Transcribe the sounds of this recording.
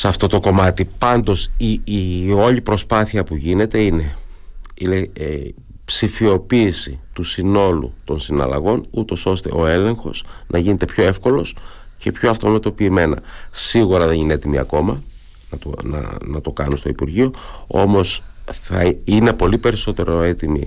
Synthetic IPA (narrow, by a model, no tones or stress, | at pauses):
sɐft̪o̞t̪o̞ko̞mɐt̪ipɐnd̪o̞sio̞ʎipɾo̞spɐθiɐpuʝine̞t̪e̞ine̞ | ile | psifio̞piːsit̪usino̞lṵt̪o̞nsinɐ̰lɐ̰ɣo̞nut̪o̞so̞st̪e̞̰ʔo̞e̞le̞ŋxo̞snʔɐʝine̞t̪e̞pʰço̞e̞fko̞lo̞s | ce̞pçoɐft̪o̞met̪o̞piːme̞nɐ̰siɣuɾɐðe̞ninee̞t̪imiɐ̰ko̞mɐ | nɐt̪oɐ̰nɐt̪o̞kɐnust̪o̞̰ipuɾʝio̞o̞̰mo̞sθɐine̞po̞lipe̞ɾiso̞t̪e̞ɾo̞e̞t̪imḭ